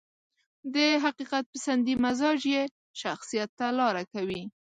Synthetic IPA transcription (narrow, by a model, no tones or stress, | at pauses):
d̪əɦaqiqat̪̚pəsand̪imazɑd͡ʒje | ʃaxsijat̪ːalɑɾakawi